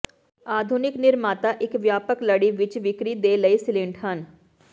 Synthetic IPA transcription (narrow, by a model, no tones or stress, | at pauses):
aːd̪ʱʊnɪknɪɾmaːt̪aːʔɪkʋjaːpəkləɽiːʋɪt͡ʃʋɪkɾiːd̪eːləisɪlɪ̃ɳʈɦən